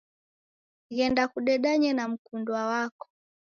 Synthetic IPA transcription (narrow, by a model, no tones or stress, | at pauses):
ɣɛndakuɗɛɗaɲɛnam̩kundwawakɔ̥